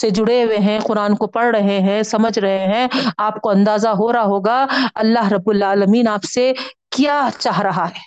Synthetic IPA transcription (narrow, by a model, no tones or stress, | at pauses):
sed͡ʒʊɽeweɦɛ̃qʊɾaːnkopɐɽɾɐɦeɦɛ̃sɐməd͡ʒʱɾɐɦeɦɛ̃aːp̚koɐ̃nd̪aːzaɦoːɾaɦoːɡaɐlːaɦɾɐbːʊlaːləmiːnaːpsekjaːt͡ʃaːɦɾɐɦaɦɛː